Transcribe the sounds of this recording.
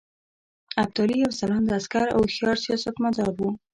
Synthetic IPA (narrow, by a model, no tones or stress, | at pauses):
ab̚t̪ɑɾiawsalɑnd̪əaskaɾa̰wxijɑɾsjɑsak̪mad̪ɑɾbu